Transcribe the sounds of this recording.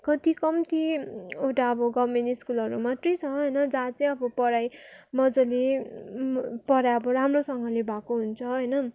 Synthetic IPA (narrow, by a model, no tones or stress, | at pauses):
kʌt̪ikʌmt̪ʰiewʈaʌbʌɡʌmeniskulʌɾumat̪rit͡sʰʌɦʌjnʌd͡zãt͡sʌjʌbʌpʌɾajmʌd͡zole | pʌɾajʌbʌɾamrosʌŋɡʌlebʱakoɦunt͡sʰʌɦʌjnʌ